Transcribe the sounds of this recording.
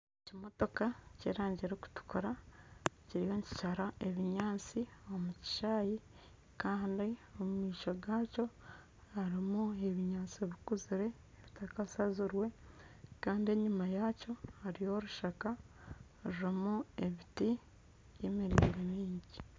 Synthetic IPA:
ecimo̞to̞kacḛɾaːɲɟiɾoku̥tu̥kuɾa | ciɾijo̞ɲci̥caɾae̞βiɲaːt͡sio̞muci̥ʃaːji | kaːndio̞mumiːʃo̞ɡaːco̞ | haɾimue̞βiɲaːnt͡sieβikuziɾe̞ːβitakasazuɾwe̞kaːndie̞ɲumajaco̞haɾijo̞ɾuʃaka | ɾiɾimue̞βiti | jemiɾiːɾemiːɲɟi

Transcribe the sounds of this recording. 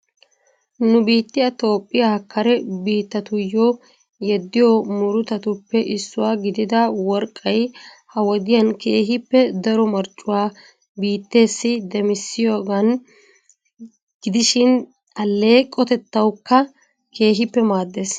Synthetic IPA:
nʊbiːt̪ːɪjɐt̪o̞ːpʼːɪjahɐkːɐɾɛbiːt̪ːɐt̪ʊjɔ | jɛd̪ːɪjomʊɾʊt̪ɐt̪ʊpːɛʔɪsːʊwaːɡɪd̪ɪd̪ɐwɔɾkʼːɐj | hɐwɔd̪ɪjɐnke̞ːɦɪpːɛd̪ɐɾɔmɐɾt͡ʃʼːʊwaː | biːt̪ːe̞ːsːɪd̪ɛmɪsːɪjoːɡɐn | ɡ̥ɪd̪ɪʃɪn | ɐlːe̞ːkʼɔt̪ɛt̪ːɐwkːɐ | ke̞ːɦɪpːɛmaːd̪ːe̞ːs

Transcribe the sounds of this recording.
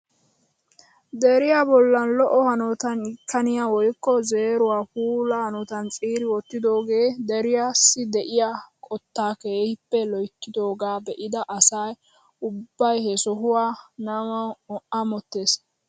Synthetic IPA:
d̪ɛɾɪjabɔlːɐnlɔʔɔhɐnɔt̪ɐnɪkʰːɐnɪjaːwɔjkːɔze̞ːɾʊwaːpuːlɐhɐnɔt̪ɐnt͡sʼiːɾɪwɔt̪ːɪd̪o̞ːɡeːd̪ɛɾɪjaːsːɪd̪ɛʔɪjakʼɔt̪ːaːkeːhɪpːɛlɔjkːɪd̪o̞ːɡaːbɛʔɪd̪ɐʔɐsɐj | ʊbbːɐjhɛsɔɦʊwaːnɐmɐwɔʔʔɐmɔt̪ːe̞ːs

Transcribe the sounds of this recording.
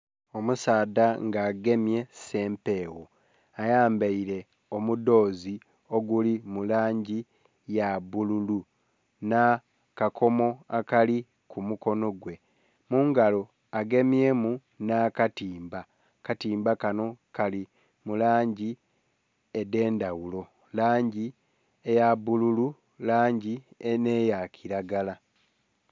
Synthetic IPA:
o̞musaːdaŋɡaːɡe̞mje̞se̞ːmpe̞ːwo | ajaːmbeiɾe̞ | o̞mudo̞ːzi | o̞ɡulimulaːɲɟi | jaβululu | na | kakʰo̞mo̞akali | kʰumuko̞no̞ɡwe̞ | muːŋɡalo̞ | aɡe̞mje̞mu | nakatiːmba | katiːmbakano̞kali | mulaːɲɟi | ede̞ːndawulo̞ | laːɲɟi | ejabululu | laːɲɟienejakʰiɾaɡala

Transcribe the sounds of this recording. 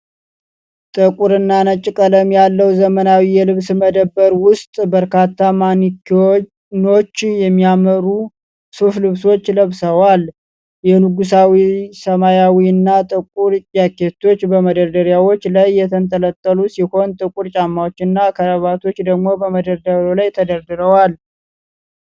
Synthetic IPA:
t̪ʼɨkʼuɾɨnːanət͡ʃʼːɪkʼələmjalːəwzəmənawijɛlɨβsməd̪əbːəɾwʊst̪ʼbəɾkat̪ʰːamaniko | no̞t͡ʃːjɛmːijaməɾu | soflɨβso̞t͡ʃːləβsəwal | jɛnuɡus̬awisəmajawiɨnːat̪ʼɨkʼuɾjake̞t̪ʰo̞t͡ʃːbəməd̪əɾd̪əɾjawo̞t͡ʃːlajːɛt̪ʰənt̪ʼələt̪ʼːəlusiho̞nt̪ʼɨkʼuɾt͡ʃʼamːawot͡ʃːɨnːakʰəɾəβat̪ʰo̞t͡ʃːd̪əɡmo̞bəməd̪əɾd̪əɾjolajt̪ʰəd̪əɾd̪ɨɾəwal

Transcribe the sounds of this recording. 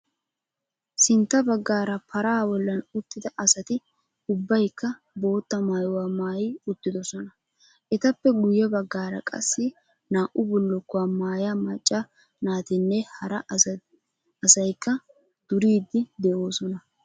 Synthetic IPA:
sɪnt̪ːɐbɐɡːaːɾɐpʰɐɾaːwɔlːɐnʊt̪ːɪd̪ɐʔɐsɐt̪ɪ | ʊbːɐjkːɐ | bo̞ːt̪ːɐmaːjʊwaːmaːjɪʊt̪ːɪd̪ɔsɔnɐ | ʔɛt̪ɐpːɛɡʊjːɛbɐɡːaːɾɐ̰kʼɐ̰sːɪ | naːʔʊbɔlːɔkːɔwamaːjamɐt͡ʃʼːɐ | naːt̪ɪnːɛhɐɾɐ | sɐjkːɐ | d̪̥ʊɾiːd̪ːɪd̪ɛʔoːsɔnɐ

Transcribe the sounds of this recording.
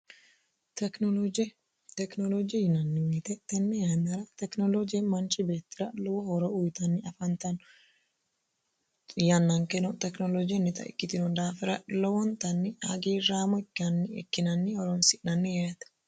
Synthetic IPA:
t̪ɛkd͡ʒ | t̪ɛknolod͡ʒɛjɪnɐnːɪmiːt̪ɛt̪ːɛnːɛjamɐɾɐt̪ɛknɔlod͡ʒɪjɛmɐnt͡ʃɪbe̞ːt̪ːɪɾɐlɔwɔhɔɾɔʊjt̪ɐnːɪɐfɐnt̪ɐn | jɐnːɐŋkɛnɔt̪ɛknolɔd͡ʒɪjɛnːɪt̪ɐ̰ʔɪ̰kːɪt̪ɪnɔnd̪aːfɪɾɐʔlɔwɔnt̪ɐnːɪɐɡiːɾaːmɔɪkːɪɐnːɪɛ̰kːɪnɐnːɪhɔɾɔnsɪʔnɐnːɪjajt̪ɐ̥

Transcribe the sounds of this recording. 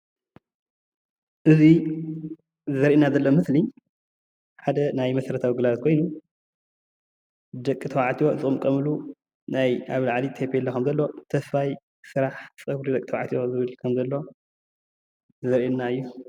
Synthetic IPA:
ʔɨzi | zɐɾʔenazɐlːomɨsli | ħad̪ɐnajmɐsɐɾɐt̪ʰawiɡɨlat̪̚kʰo̞jnu | d̪ɐkʼːɨt̪ʰɐwaʕt̪ʰijo̞zɨɨmkʼɐmɨlu | najaβlaʕlit̪ʰepʰelːokʰɐmzɐlːot̪ʰɐsfaj | sɨɾaħsʼɨβɾid̪ɐkʼit̪ʰɐwaʕt̪ʰijo̞zɨβɨlkʰɐmzɐlːo̞ | zɐɾʔenːaɨjːu

